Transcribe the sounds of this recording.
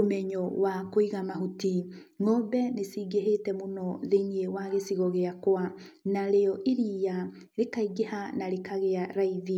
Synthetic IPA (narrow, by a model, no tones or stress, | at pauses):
omɛɲɔwakoiɣamaɦuti | ŋɔbɛnesiːɡeɦetɛmonɔðeɲiewaɣesiɣɔɣeakwa | naɾeɔʔiɾiːja | ɾekaiɡehanaɾekaɣeaɾaiði